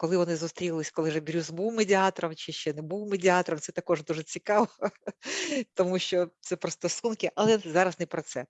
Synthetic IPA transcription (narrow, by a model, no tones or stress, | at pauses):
kɔlˠɪʋɔnɪzʊst̪ɾʲilˠɪsʲkɔlˠɪʒɛbʲɾʲuzbuwmedʲɪɑt̪ɔɾɔmt͡ʃɪʃt͡ʃɛnɛbuwmedʲɪɑt̪ɔɾɔmtsɛt̪ɐkɔʒd̪uʐɛt͡sʲikɑʋɔ | t̪ɔmuʃt͡ʃɔt̪sɛpɾɔst̪ɔsunkɪʔɐlˠɛzɑɾɐznɛpɾɔt̪sɛ